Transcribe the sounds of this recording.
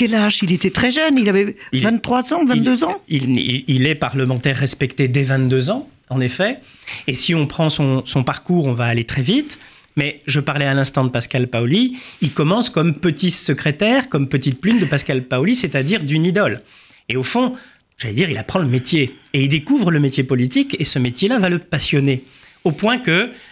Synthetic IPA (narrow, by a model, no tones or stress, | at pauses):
kɛlaʒilet̪ɛt̪χɛʒœnilavɛilvɛ̃t̪t̪ːχwazɑ̃vɛ̃t̪d̪øzɑ̃iḭilɛpaʁləmɑ̃t̪ɛʁːɛspɛkt̪ed̪ɛvɛ̃t̪̚d̪øzɑ̃ | ɑ̃nefɛ | esiɔ̃pχɑ̃sɔ̃sɔ̃paʁkuːʁɔ̃vaːlet̪χɛvit̪ | mɛʒəpaʁlɛalɛ̃st̪ɑ̃d̪əpaskalpaoliilkɔmɑ̃skɔmpət̪isəkχet̪ɛʁkɔmpət̪it̪̚plynd̪əpaskalpaoliset̪ad̪iʁd̪ynid̪ɔl | eofɔ̃ | ʒ̥alɛd̪iʁilapχɑ̃ləmet̪jeeild̪ekuvʁələmet̪jepɔlit̪ikesəmet̪jelavaləpasjɔne | opwɛ̃kə